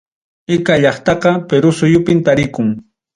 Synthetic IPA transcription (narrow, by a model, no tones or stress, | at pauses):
ɪkaʎɑχt̪ɑqɑpeɾʊsʊjʊpɪnt̪aɾɪkʊŋ